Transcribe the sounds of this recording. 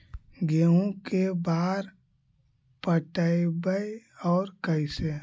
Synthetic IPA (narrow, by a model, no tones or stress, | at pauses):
ɡeõkebaːɾ | pəʈaibəjɔːɾkəɪse